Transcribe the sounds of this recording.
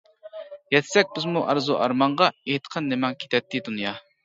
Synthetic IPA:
jɛt̪sɛk̚ʲbɪzmuʔɑɾzuʔɑ̰ɾmɑɴʁɑeɦt̪ʰə̥qʰənːɪmɑŋkʲʰe̥t̪ʰɛt̪ʰːɪd̪unjɑ

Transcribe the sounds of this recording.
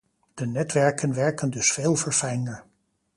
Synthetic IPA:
d̥ənɛtʋɛɹkənʋɛɹkəndɵsfeːlˠvəɹfɛjnəɹ

